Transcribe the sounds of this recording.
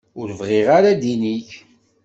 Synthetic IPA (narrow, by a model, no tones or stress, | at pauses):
ʊɾəvʁɪʁaɾad̪iniç